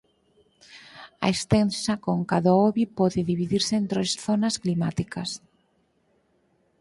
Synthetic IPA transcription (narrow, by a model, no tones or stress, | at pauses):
ɐ̰est̪ensakoŋkaðaoβipɔðeðiβiðiɾseːnt̪ɾosθonasklimat̪ikas